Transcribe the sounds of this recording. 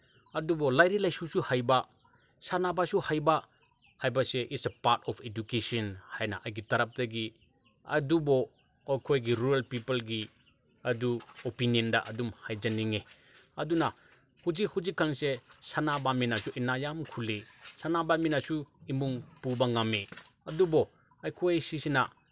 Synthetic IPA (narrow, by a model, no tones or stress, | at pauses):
ɐdubɔlajɾilajsusuhajba | sanabasuhajba | hajbɐseʔitsepaɾtʰɔpʰedukesɔnhajna̰ʔajɡitɐɾɐp̚dɐɡi | ɐ̰dubɔ | ojkʰojɡiɾuɾelpipɐlɡi | ɐduopiniɔndaʔɐdumhajd͡ʒaniŋe | ɐduna | hud͡ʒikhud͡ʒikʰːaŋsesanabaminasuʔinajamkʰulisanabaminasuimuŋpubaŋame | ɐdubɔ | ajkʰojjsisina̰